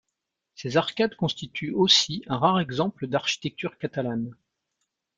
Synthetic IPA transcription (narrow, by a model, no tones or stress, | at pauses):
sezaʁkad̪kɔ̃st̪it̪ʰyosiɛ̃ʁaʁɛɡzɑ̃pləd̪aʁʃi̥t̪ɛk̚t̪yʁkat̪alan